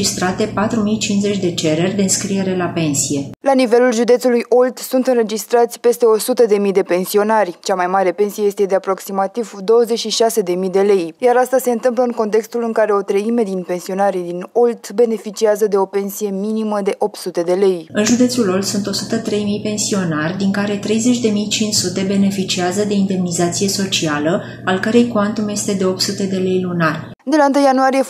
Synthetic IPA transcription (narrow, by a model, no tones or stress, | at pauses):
ist̪ɾat̪e̞pat̪ɾumijt͡ʃinze̞t͡ʃʲd̪e̞t͡ʃe̞ɾe̞rʲd̪eɨnskɾije̞ɾelape̞nsije̞lanive̞lulʒud̪et̪sulujʔo̞lt̪sunt̪ɨnre̞d͡ʒist̪ɾat̪sʲpe̞st̪e̞o̞sut̪əd̪e̞mijd̪e̞pe̞nsio̞narʲt͡ʃamajmaɾe̞pe̞nsijejest̪e̞d̪eapɾo̞ksimat̪ivd̪o̞wəzet͡ʃʃiʃase̞d̪e̞mid̪e̞le̞jjaɾast̪ase̞ɨnt̪ɨmp̬ləɨŋko̞nt̪̬e̞kst̪ulɨŋkaɾe̞o̞t̪ɾəime̞d̪inpe̞nsio̞naɾid̪ino̞lt̪be̞ne̞fit͡ʃiazəd̪e̞o̞pe̞nsije̞miniməd̪e̞ʔo̞p̚t̪sut̪e̞d̪e̞le̞jɨnʒud̪e̞t̪sulo̞ld̪sunt̪o̞sut̪ət̪ɾe̞jmijpe̞nsio̞narʲd̪iŋkaɾe̞t̪ɾe̞jze̞t͡ʃʲd̪e̞mijt͡ʃint͡ʃsut̪e̞be̞ne̞fit͡ʃiazəd̪e̞ind̪e̞mnizat̪sije̞so̞t͡ʃialə | alkəɾe̞jkuant̪umje̞st̪e̞d̪e̞o̞p̚t̪sut̪e̞d̪e̞le̞jlunarʲ | d̪e̞laɨnt̪ɨjːanuaɾije̞